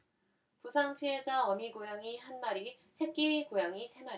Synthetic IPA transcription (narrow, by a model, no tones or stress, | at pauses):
pusʰaŋpʰied͡ʑaʌmiɡojaŋiɦanmaɾi | sʰe̞k̚k͈iikojaŋisʰemaɾ